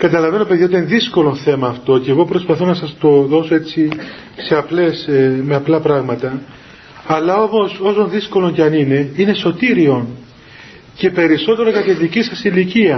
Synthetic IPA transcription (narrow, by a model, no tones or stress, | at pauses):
kɐt̪ɐlɐve̞nopeðjɐot̪ɐnðisko̞lo̞nθe̞mɐːft̪o̞ceɣopɾo̞spɐθo̞nɐsɐst̪o̞ðo̞so̞ett͡si | se̞ɐple̞smeɐplɐpɾɐɣmɐt̪ɐ | ɐlɐo̞mo̞so̞so̞nðisko̞lo̞ɲcɐnine̞ine̞so̞t̪iɾio̞n | ce̞pe̞ɾiso̞t̪e̞ɾokɐt̪eðicisɐsiliciɐ